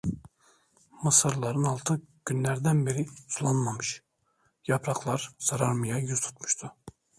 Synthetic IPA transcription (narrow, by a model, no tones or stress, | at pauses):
mɯsɯɾlˠaɾɯnɑlˠt̪ʰɯɟ̥ynlʲæɾd̪ænbeɾiulˠanmamɯʃ | japʰɾaklˠaɾz̥aɾaɾmɯjajyz̥t̪ʰu̥t̪mu̥ʃt̪ʰʊ